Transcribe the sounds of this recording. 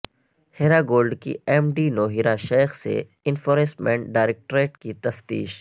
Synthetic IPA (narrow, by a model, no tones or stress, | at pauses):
heːɾaɡoːlɖkḭɛːmɖinoːɦiɾaʃeːxsḛ | ɪ̃nfoːɾẽsmɛ̃ɳɖaːɪɾeːk̚ʈɾeːʈkit̪ɐft̪ḭːʃ